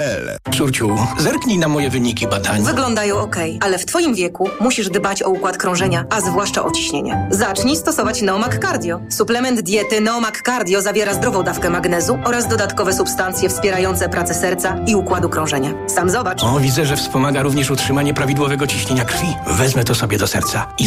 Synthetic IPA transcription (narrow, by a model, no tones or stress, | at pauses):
ɛlɛ̰ʂuɾt͡ɕuwzɛɾkɲijnamɔjɛvɘɲikʲibad̪aɲvɘɡlɔnd̪ajɔ̃w̃ɔkɛjalɛft̪fɔjimvʲjɛkumuɕiʐd̪bat͡ɕɔukwat̪kɾɔ̃w̃ʐɛɲaʔazvwaʂt͡ʂa̰ʔɔt͡ɕi̥ɕɲeɲɛ̰zat͡ʂɲist̪ɔsɔvat͡ɕnɛɔmakːaɾd̪ʲjɔsuplɛmɛnd̪d̪ʲjɛt̪ɘnɛɔmakːaɾd̪ʲjɔzavʲjɛɾazd̪ɾɔvɔ̃w̃d̪afkɛmaɡnɛzuɔɾazd̪ɔd̪at̪kɔvɛsupst̪ant̪sʲjɛfspʲjɛɾajɔnt̪sɛpɾat̪sɛsɛɾt̪saiukwad̪ukɾɔ̃w̃ʐɛɲa | samzɔbat͡ʂɔvʲid̪zɛʐɛfspɔmaɡaɾuvɲɛʂutʂɘmaɲɛpɾavʲid̪wɔvɛɡɔt͡ɕiɕɲeɲakrfʲivɛzmɛt̪ɔsɔbʲjɛd̪ɔsɛ̰ɾt̪sai